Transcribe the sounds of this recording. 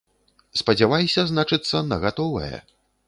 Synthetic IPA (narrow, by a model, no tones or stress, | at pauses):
spɐd͡zʲavajsʲɐznat͡ʂɨt̪sːɐnɐɣat̪ɔvɐ̰jɛ̰